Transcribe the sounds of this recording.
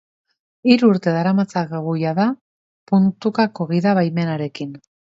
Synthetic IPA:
iɾuuɾt̪e̞ðaɾamat͡saɣɣujaða | punt̪ukakoɣiðaβajme̞naɾe̞kin

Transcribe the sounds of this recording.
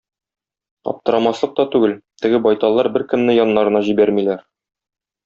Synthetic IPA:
ɒ̰p̚t̪ɤ̆ɾɑmɑslˠɤq̚t̪ɒt̪ʉɡɘlt̪ɘ̆ɡɘbɒjt̪ɑlˠːɑɾbɘɾkɘ̆mnɘjɒnːɑɾɤ̆nɑʑibæɾmilæɾ

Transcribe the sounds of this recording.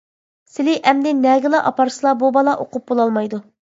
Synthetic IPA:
sɪlɪʔɛmd̪ɪnɛɡʲɪlˠɑʔɑpɑɾsɨlˠɑbubɑlˠɑʔoqʊp̚bolˠɑlˠmɑjd̪u

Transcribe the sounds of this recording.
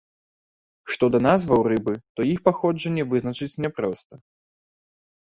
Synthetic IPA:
ʂt̪ɔd̪ɐnazvɐwrɨbɨt̪ɔixpaxɔd͡ʐɐnʲːɛvɨzn̪ɐt͡ʂɨt͡sʲnʲɛpɾɔst̪ɐ

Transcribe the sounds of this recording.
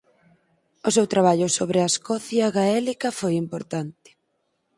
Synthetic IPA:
ʊsewt̪ɾaβ̞aʎʊsoβɾɪaeskɔθjaɣaɛlikɐfojimpoɾt̪ant̪ɪ̥

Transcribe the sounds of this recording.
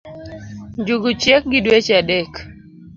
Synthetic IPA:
ɲd͡ʒuɡut͡ʃjek̚ɡɪdwet͡ʃadɛk

